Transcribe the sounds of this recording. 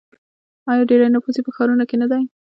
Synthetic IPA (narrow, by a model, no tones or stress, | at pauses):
ɑjɑɖeɾajnapuzipəxɑɾunokenad̪aj